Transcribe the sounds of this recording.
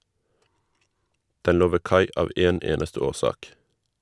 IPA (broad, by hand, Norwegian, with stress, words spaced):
ˈdɛn ˈloː ˈʋeː ˈkɑɪ ˈɑːʋ ˈeːn ˈeːnəstə ˈoːˌsɑːk